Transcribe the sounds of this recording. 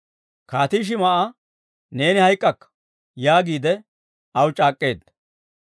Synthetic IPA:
kaːt̪iːʃ̬ɪmɐʔa | ne̞ːnɪhɐjkʼːɐkːɐ̥ | jaːɡiːd̪ɛ | ɐwt͡ʃʼaːkʼːe̞ːd̪

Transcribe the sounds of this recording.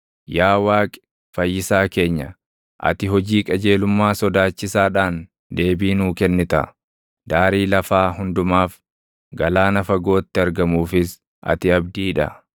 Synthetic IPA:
jaːwaːkʼɪ̥ | fɐjːɪsaːke̞ːɲːɐ̰ | ʔɐ̰t̪ɪɦɔd͡ʒiːkʼɐd͡ʒe̞ːlʊmːaːsɔd̪aːt͡ʃːɪsaːᶑaːn | d̪e̞ːbiːnuːkɛnːɪt̪ɐ̰ | d̪̥aːɾiːlɐfaːhʊnd̪ʊmaːf | ɡɐlaːnɐfɐɡo̞ːt̪ːɪɐɾɡɐmuːfɪs | ʔɐ̰t̪ɪɐbd̪iːᶑɐ̰

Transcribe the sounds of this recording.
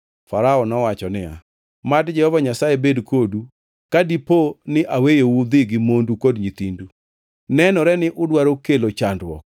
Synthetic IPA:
faɾaɔnɔwat͡ʃɔnɪa̰ | madd͡ʒɛhɔvaɲasaebedkʰodu | kadiponɪʔawejowud̪ɪɡɪmondukodɲit̪indu | nɛnɔɾɛnɪʔʊdwaɾokelot͡ʃandwɔ̰k̚

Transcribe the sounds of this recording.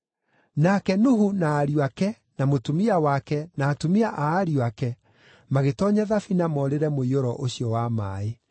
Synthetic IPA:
nakɛnuɦunaːɾiwakɛ | namotumiawakɛnaːtumiaʔaːɾiwakɛ | maɣetɔːɲaðafinamɔɾeɾɛmoioɾɔʔoɕiɔwama̰ːe

